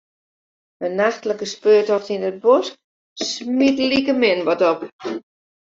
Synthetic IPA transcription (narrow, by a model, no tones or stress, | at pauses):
ənaxtləkəspøːtɔxtinət̚bɔsk | smitəlikəmɪnʋɔtɔp